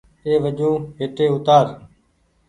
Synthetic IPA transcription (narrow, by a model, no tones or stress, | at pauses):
eːʋəd͡ʒõːɦɪt̪eːʊt̪aːɾ